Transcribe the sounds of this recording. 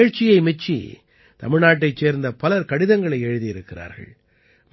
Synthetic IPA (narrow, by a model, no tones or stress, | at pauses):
eɻt͡ʃːɪjɐɪmɛt͡ʃːḭ | t̪ɐ̰mɪɻnaːʈːɐɪt͡ʃːeːɾnd̪ɐpɐlɐɾkɐɽɪðɐŋɡɐɭɐɪɛɻɯðijɪɾɯkːɪra̰ːɾɣɐ̰ɭ | m